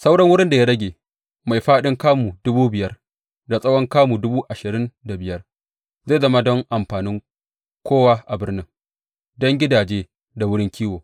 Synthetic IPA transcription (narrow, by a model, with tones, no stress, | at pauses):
sa˦wɽɐ˦ŋwʊ˦ɽɪ˦nda˨ja˦ɽɐ˦ɡʲeː˨ | ma˨jɸaː˦ɗɪ˦ŋkaː˦mu˨dʊ˦buː˦bɪ˨jɐ˦r | da˨sʼɐ˦wɔ˦ŋkaː˦mu˨dʊ˦buː˦ʔa˨ʃɪ˨ɾɪ˦nda˨bɪ˨jɐ˦r | za˦˨zɐ˦ma˦dɔ˦ŋʔa˨mɸaː˨nɪ˦ŋ | kʷoː˦wa˦ʔa˨bɪ˦rnɪ˦ŋ | dɔ˦ŋɡʲɪ˦daː˨d͡ʒeː˦ | da˨wʊ˦ɽɪ˦ŋkʲʰiː˦woː˨